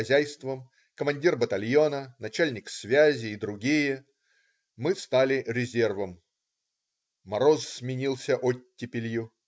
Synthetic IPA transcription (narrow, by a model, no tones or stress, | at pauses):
ɐzʲæjst̪vəm | kəmɐnʲdʲirbət̪ɐlʲjonənɐt͡ɕælʲnʲɪksvʲæzʲɪːd̪ɾʊɡʲijə | mɨst̪alʲɪɾʲɪzʲe̞rvəm | ɐɾossʲmʲɪnʲilˠsʲəʔotʲːɪpʲɪlʲju